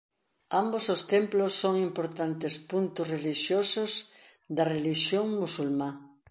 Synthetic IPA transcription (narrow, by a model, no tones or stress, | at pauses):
ambosost̪emplosːoŋimpoɾt̪ant̪espunt̪ʊsreliʃjosʊz | d̪ɐreliʃjoŋmusulmã